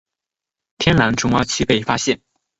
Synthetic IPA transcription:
t̪ʰjɛ˥nla˧˥nʈ͡ʂʰʊ˧˥ŋwa˥t͡ɕʰi˥pe˥˩ɪfa˥ɕjɛ˥˩n

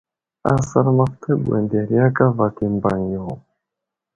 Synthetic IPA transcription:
a̰˦sa˦ɾma˦ft̪ʰə˦bwḛ˨nde˨ɾi˦ja˦ka˦va˨ki˨mba˨ŋjo˨

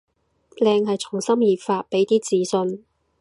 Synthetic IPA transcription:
lɛː˧ŋɦɐ˨jt͡sʰʊ˨˩ŋsɐ˥mjiː˨p̚faː˧t̚pe˨˥jt̪iː˥t͡siː˨˥sɵ˧n

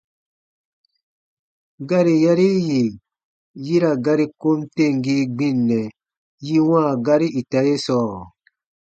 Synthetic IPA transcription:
ɡa˦ɾi˨ja˦ɾi˦ji˨ | ji˦ɾa˨ɡa˦ɾi˦ko˦mte˦˨ŋɡi˦ɡ͡bĩ˦˨nːɛ˨ | ji˦wãː˦˨ɡa˦ɾi˦ʔi˨ta˨je˦sɔː˦˨

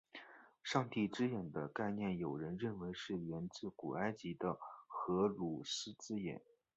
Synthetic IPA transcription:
ʂɑ˥˧ŋt̪i˥˩ʈ͡ʂɻ̩˥jɛ˨˩nd̪ə˦ka˥˧ɪnjɛ˥˩njo˨˩ʊɻə˧˥nɻə˥˩nwe˧˥ɪʂɻ̩˥˩ɥɛ˧˥nt͡sɹ̩˥˩ku˨˩a˥ɪt͡ɕi˧˥d̪ə˧xɤ˧˥ɻu˨˩sɹ̩˥t͡sɹ̩˥jɛ̰˨˩˦n

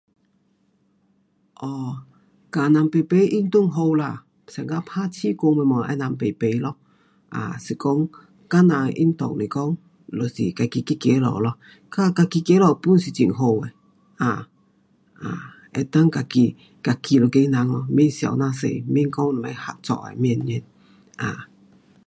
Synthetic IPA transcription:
ʔɔ˧˩ | ka˨˩na˧ŋpe˨˩pe˧˦ʔi˦˥nt̪u˧˩˨ŋɦo˧wla˧ | sa˨˩ŋɡa˧˦pʰa˦t͡ɕʰi˦ko˧me˧mɔ˨ʔɛ̰˧˦na˧˨ŋpe˨˩pe˨˧lɔ˧˦ | ʔa̰˨si˨˩kɔ˦ŋ | ka˦nã˧˨ʔḭ˦nt̪ɔ̰˨ŋli˨˩kɔ˦ŋ | lo˨˩sḭ˨˩ka˧ki˧ki˦kje˨˦lɔ̰˨˩˨lɔ˧˦ | ka˦ka˧ki˧ke˧˦lɔ˨pu˦˨nsi˨t͡ɕḭ˨ŋɦo˧we˨ | a˨ | ʔa̰˨ | ɛ˧˩t̪a˦ŋka˧ki˧ | ka˧ki˧lo˨˩ke˧jna˧ŋɔ˧m˦i˧˦nsja̰˧˨wnã˧sḛ˧˨m˦i˧˥˦nkɔ˦ŋlɔ˨ma˧˦ha˧t̚t͡sɔ̰˧˨ʔa̰˨m˧ɛ˧˨nɲɛ˧˦˨n | ʔa˨˩

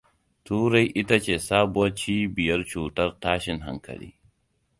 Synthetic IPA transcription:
tuː˦ɾa˦jʔɪ˦ta˦t͡ʃeː˨saː˦bʊ˨ɐ˦t͡ʃiː˦bɪ˨jɐ˦rt͡ʃuː˨tɐ˦rtaː˦ʃɪ˨ŋɦa̰˦ŋkɐ̰˨lḭː˦

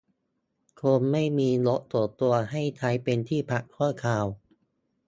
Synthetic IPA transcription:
kʰoː˧nma˥˩jmiː˧lo˦˥ʔt̪u˨˩t̪u˧ɐha˥˩jt̪ʰa˦˥jpe˧nt̪ʰiː˥˩pʰa˨˩kʰːu˥˩ɐkʰaː˧˩w

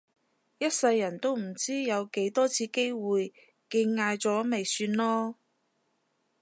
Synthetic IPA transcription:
jɐ˥t̚sɐ˧jːɐ˨˩nt̪o˥wm̩˨˩t͡siː˥jɐ˨˧wke˨˥jt̪ɔː˥t͡sʰiː˧ke˥jwuː˨j | kɪ˧ŋŋaː˧jt͡sɔː˨˥me˨jsyː˧nlɔː˥

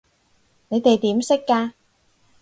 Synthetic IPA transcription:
ne˨˧jt̪e˨jt̪iː˨˥msɪ˥kːaː˧

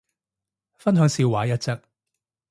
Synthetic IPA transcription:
fɐ˥nɦœː˨˧ŋsiː˧waː˨˥jɐ˥t̚t͡sɐ˥k̚

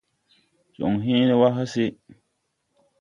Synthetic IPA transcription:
t͡ʃo̰˨ŋ˨ɦĩː˦ni˦wa˦ɦa˦sɪ˦

